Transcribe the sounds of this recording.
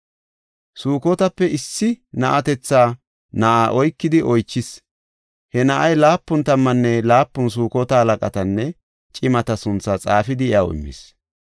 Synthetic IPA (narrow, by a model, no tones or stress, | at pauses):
suːkɔt̪ɐpːɛɪsːɪnɐʔɐt̪ɛt͡sːaː | nɐʔaːʔɔjkːɪd̪ɪʔɔjt͡ʃːɪs | hɛnɐʔɐjlaːpːʊnt̪ɐmːɐnːɛlaːpːʊns̬uːkɔt̪ɐhɐlɐkʼɐt̪ɐnːɛ | t͡ʃʼɪmɐt̪ɐsʊnt͡sːɐt͡sʼaːfɪd̪ɪja̰wɪ̰mːɪ̰s